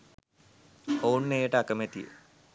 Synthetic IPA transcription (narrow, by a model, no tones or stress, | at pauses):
ounːejəʈəakəmet̪ijə̰